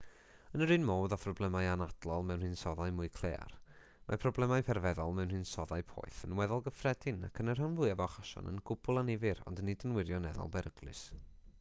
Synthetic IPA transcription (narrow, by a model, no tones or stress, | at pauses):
ənəɾɨːnmoːðafrɔblˠɛmajanad̥lˠɔlˠmɛwnhɨnsɔðajmʊɨkʰl̥ˠḛːa̰r | mapʰrɔblˠɛmajpʰɛrvɛðɔlˠmɛwnhɨːnsɔðaɨpʰɔ̰jθənwɛðɔlˠɡəfrɛd̥ɪna̰kʰənərhanvʊɨavɔχaʃɔ̰nə̰nɡʊbʊlˠanɪvɪɾɔ̰ndnidənwɪɾjɔnɛðɔ̰lˠbɛɾəɡlˠɨ̰s